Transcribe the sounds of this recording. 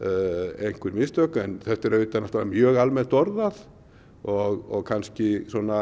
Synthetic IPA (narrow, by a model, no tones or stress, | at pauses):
ejŋ̥kvʏɾmɪst̪œːkɛnθɛht̪ɛɾœːt̪anaft̪vaɾamjœːɣalmɛnt̪ɔɾðað | ɔɣɔɣkʰanscɪsɔna